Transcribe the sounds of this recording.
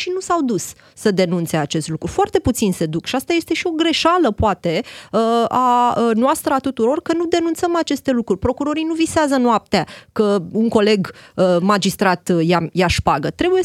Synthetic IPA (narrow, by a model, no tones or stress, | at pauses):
ʃinusawd̪usː | əd̪e̞nunt̪se̞at͡ʃe̞st̪lukɾufoart̪e̞put̪sinse̞d̪ukʃiast̪aje̞st̪e̞ʃio̞ɡɾe̞ʃaləpoat̪e̞əanoast̪ɾəat̪ut̪uɾo̞rkənud̪e̞nunt̪səmat͡ʃe̞st̪e̞lukɾurʲpɾo̞kuɾo̞ɾijnuviseazənoap̚t̪akəuŋko̞le̞ɡəmad͡ʒist̪ɾat̪jajaʃpaɡət̪ɾe̞buje